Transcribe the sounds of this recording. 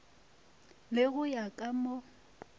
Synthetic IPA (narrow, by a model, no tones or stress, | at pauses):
lɪɣʊjakʼamo